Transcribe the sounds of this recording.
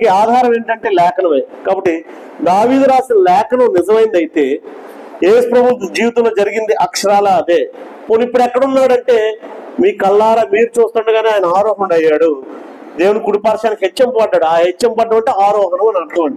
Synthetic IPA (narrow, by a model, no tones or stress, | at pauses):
keaːd̪ʱaːɾɐme̞ːɳʈɐɳʈe̞ːlɛːkʰɐnɐmeːkaːbɐʈːi | d̪aːʋiːd̪ɾaːsinlɛːkʰɐnɐmnɪzɐmɐjind̪ɐjit̪e̞ː | eːsu̥pɾɐbʱunt̪ɐmd͡ʒiːʋit̪ɐmloːd͡ʒɐɾiɡind̪iʔɐkʂɐɾaːlaːɐd̪eː | ponipːuɽɛkːɐɽunːaːɽɐɳʈe̞ːmiːkɐlːaːɾaːmiːɾut͡ʃuːst̪uɳɖɐɡaːneaːjnɐaːɾɔːɦɐɳɖɐjːaːɽu | d̪eːwunikuɽipaːɾʂaːnɐkɦet͡ʃːɐmpɐɖːaːɽuaːɦet͡ʃːɐmpɐɖːɐmɐɳʈeːaːɾɔːɦɐnɐmɐnɐʈnɐʋɐɳɖi